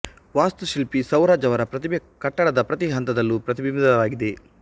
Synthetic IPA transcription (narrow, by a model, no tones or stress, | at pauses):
ʋaːst̪uʃilpisɐwɾaːd͡ʒɐʋɐɾɐpɾɐt̪ib | kɐʈːɐɽɐd̪ɐpɾɐt̪iɦɐnt̪ɐd̪ɐlːupɾɐt̪ibibd̪ɐʋaːɡid̪e̞